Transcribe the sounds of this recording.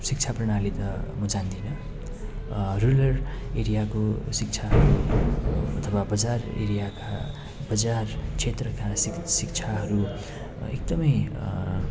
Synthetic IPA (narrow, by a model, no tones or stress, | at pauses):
sik̚t͡sʰaprʌɽ̃alit̪ʌmʌd͡zand̪inʌ | rulʌreɾijakosikt͡sʰaɦʌɾu | ʌ̰t̪ʰʌwabʌd͡zarḛɾijaka | bʌd͡zart͡sʰet̪rʌkassik̚t͡sʰaɦʌɾu | ḛk̚d̪ʌmʌj